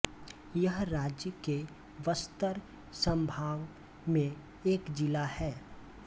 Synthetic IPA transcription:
jəɦɾaːd͡ʒjəke | ʋəst̪əɾ | sə̃mbʱaːʋ | mẽ | eːkd͡ʒɪlahɛː

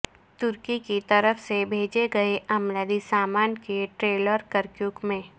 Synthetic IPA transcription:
t̪ʊɾkikit̪ɐɾəfsebʱeːd͡ʒeɡɐeʔɐmlaːd̪isaːmaːnkeʈɾeːləɾkəɾkjuːkmẽː

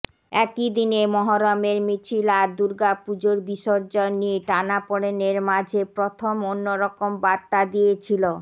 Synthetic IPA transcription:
ɛkid̪inemɔɦoɾameɾmit͡ɕʰilaɾd̪uɾɡapud͡ʑoɾbiʃɔoɾd͡ʑanieʈanapɔɽeneɾmad͡ʑʱepɾot̪ʰomonːoɾɔkombaɾt̪ad̪ijet͡ɕʰilo

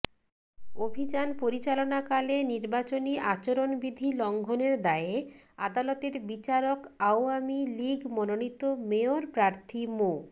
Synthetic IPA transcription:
obʱid͡ʑanpoɾit͡ɕalonakaleniɾbat͡ɕoniʔat͡ɕoɾonbid̪ʱilɔŋɡʱoneɾd̪ae | a̰d̪alot̪eɾbit͡ɕaɾokaoamiliɡmononit̪omeoɾpɾaɾt̪ʰimo

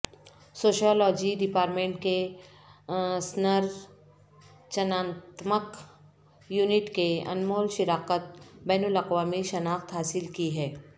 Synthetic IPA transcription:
soːʃɔːlɔːd͡ʒiɖɪpaːɾʈmẽːɳʈke | snəɾ | t͡ʃɐnãːt̪mək | juːnɪʈkeɐ̰nmoːlʃɪɾaːqət̪̚bɛːnʊlɐqʋaːmiʃɐnaːxt̪ɦaːsɪlkiɦɛː

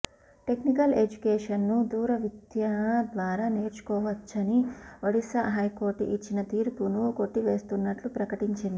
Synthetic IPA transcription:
ʈe̞knikɐled͡ʒukeːʂɐnːud̪uːɾɐʋid̪jɐɦd̪ʋaːɾaːne̞ːɾt͡ʃu̥kɔːʋɐt͡ʃːɐniʋɐɽisɐɦɐjko̞ːɾʈit͡ʃːinɐt̪iːɾpunuko̞ʈːiʋe̞ːst̪unːɐʈlupɾɐkɐʈiɲt͡ʃind̪i

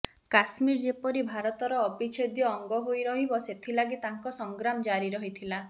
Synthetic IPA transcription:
kasmiɾd͡ʒepɔɾibʱaɾɔt̪ɔɾɔːbit͡ʃʰed̪jɔːŋɡɔɦojɾɔɦibɔset̪ʰilaɡit̪aŋkɔsɔŋɡɾamɔd͡ʒaɾiɾɔɦit̪ʰila

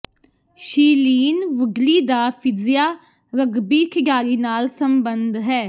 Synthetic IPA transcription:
ʃiːliːnʋəɡliːd̪aːpʰɪd͡ʒɪjaː | ɾəɡbiːkʰɪɡaːɾiːnaːlsəmbənd̪ɦɛː

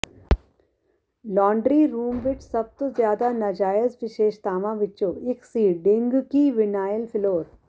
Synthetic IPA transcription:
lɔːɳɖɾiɾuːmʋɪt͡ʃsɐb̚t̪ozjaːd̪anɐd͡ʒaːjəzʋɪʃeːʃt̪aːʋãʋɪtːt͡ʃoːɪksiːɖɪ̃ŋɡkiʋɪnaːjəlfɪloːɾ

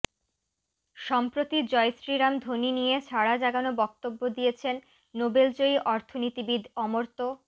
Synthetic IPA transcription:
ʃɔmpɾot̪id͡ʑɔesɾiɾamd̪ʱoninijet͡ɕʰaɽad͡ʑaɡanobɔk̚t̪obːod̪ijet͡ɕʰenː | obelt͡ɕoiʔɔɾt̪ʰonit̪ibid̪ʱɔmoɾt̪o

